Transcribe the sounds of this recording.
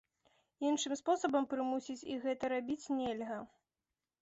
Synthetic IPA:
inʂɨmspɔsɐbɐmpɾɨmusʲit͡sʲiɣɛt̪ɐɾabʲit͡sʲnʲɛlʲɣɐ

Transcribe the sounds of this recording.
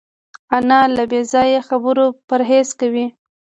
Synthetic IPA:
anɑlabezɑjexabəɾopəɾɦeskawi

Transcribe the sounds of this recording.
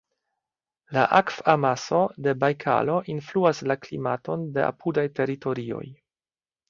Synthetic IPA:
laʔakfamaso̞de̞bajkʰa̰lo̞ʔinfluaslaklḭmato̞nde̞a̰pʰudajte̞ɾito̞ɾio̞̰j

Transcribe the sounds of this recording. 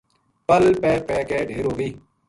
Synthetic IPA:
pəlpɛːpɛːkeːɖʱeːɾɦoːɡiː

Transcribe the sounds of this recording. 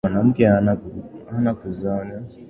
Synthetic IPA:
anam̩kɛanaanakuzana

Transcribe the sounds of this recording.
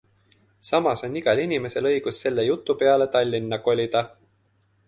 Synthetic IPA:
sɑmɑso̞nʲːiɡ̥ɑlinʲime̞se̞lɤ̞jɡ̥usːe̞lːe̞jut̪ːˑupe̞ɑle̞t̪ɑlʲːinːɑko̞lʲid̪̥ɑ

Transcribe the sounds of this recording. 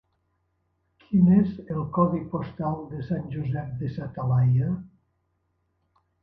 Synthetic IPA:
kʰinezelˠkɔβipost̪alˠd̪əsanʲʒuzɛp̚d̪əsat̪alaja

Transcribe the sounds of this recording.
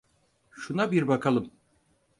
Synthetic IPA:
ʃunabiɾbakʰalˠɯm

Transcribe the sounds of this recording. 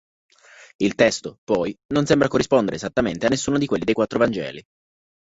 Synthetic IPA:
ilt̪ɛst̪opɔjnonsembɾakorːispond̪eɾezat̪ːament̪eanːesːuːnod̪ikwelːid̪ejkwat̪ːɾovand͡ʒɛ̰ːli

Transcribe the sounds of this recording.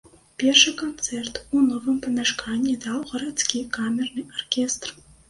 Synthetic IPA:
pʲerʂɨkont̪t͡s̪ɛrt̪unovɨmpənʲaʂkʰɑnʲid̪ɑwʁə̆ɾat̪t͡skʲikamʲernɨʔorkʲest̪r

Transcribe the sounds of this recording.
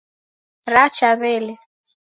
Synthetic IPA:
rat͡ʃaβɛlɛ

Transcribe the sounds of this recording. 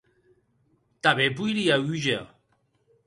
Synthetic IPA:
t̪aβepujɾiayʒe

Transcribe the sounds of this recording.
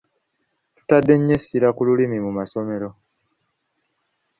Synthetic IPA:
tu̥tadːe̞ɲːesiɾakululimimumaso̞me̞ɾo̞

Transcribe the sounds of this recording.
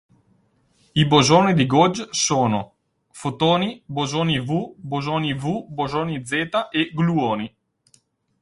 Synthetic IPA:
ibozoːnid̪iɡod͡ʒsoːno | fot̪oːnibozoːnivubozoːnivubozoːnid̪zeːt̪aʔeɡluoːni

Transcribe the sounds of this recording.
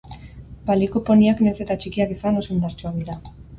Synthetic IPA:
balikopo̞niaknese̞t̪at͡ʃikiakisanosend̪aɾt͡ʃuak̚d̪iɾa

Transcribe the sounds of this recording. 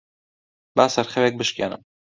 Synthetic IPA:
baːsɐɾxɛweːk̚bɨʃkʲeːnɨ̰m

